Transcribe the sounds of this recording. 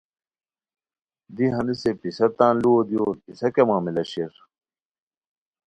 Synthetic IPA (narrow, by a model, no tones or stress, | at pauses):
d̪iɦɐnisepisɐt̪ãːnluod̪iopisɐkemãːmilɐɕeɾ